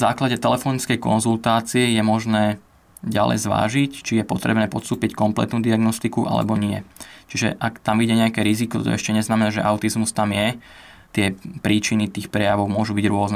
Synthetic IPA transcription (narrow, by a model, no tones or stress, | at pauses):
zaːklaɟɛt̪ɛlɛfɔnit͡skɛjkɔ̰nzult̪aːt͡siɛjɛmɔʒnɛː | ɟalɛ̰jzʋa̰ːʒict͡ʃijɛpɔt̪ɾɛbnɛːpɔt̪st̪uːpickɔmplɛ̰t̪nuːd̪iaɡnɔst̪ikuʔa̰lɛ̰bɔɲɪɛt͡ʃiʒɛ̰ʔakt̪amʋiɟɛɲɛjakɛɾizikɔt̪t̪ɔ̰ɛʃcɛɲɛznamɛnaːʒɛʔaʊt̪izmust̪amjɛ | t̪ɪɛpɾiːt͡ʃinit̪iːxpɾɛjaʋɔʊmʊɔʒubiɟɾʊɔznɛ